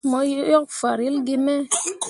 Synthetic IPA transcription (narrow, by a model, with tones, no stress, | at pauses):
mɔ˨˦jɔ˦k̚fa˨ɾi˦lɡi˦˧me˦